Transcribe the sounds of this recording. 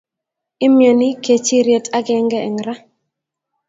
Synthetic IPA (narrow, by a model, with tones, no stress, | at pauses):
ɪ˦mjɔ˨nɪ˦ke˨t͡ʃi˦ɾje˨tʰa˦ɡɛ˨ŋɡɛ˦ɛ˨ŋɾa˦